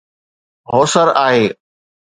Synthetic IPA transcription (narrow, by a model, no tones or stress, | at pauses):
ɦoːsəɾaːɦeː